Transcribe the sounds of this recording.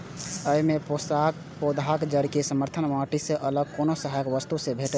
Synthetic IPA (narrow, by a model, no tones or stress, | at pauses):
əimepsa | pod̪ʱakd͡ʒəɾkesəməɾt̪ʰənmaʈisẽʔələɡ̚konosəɦajəkʋəst̪usẽbʱeʈə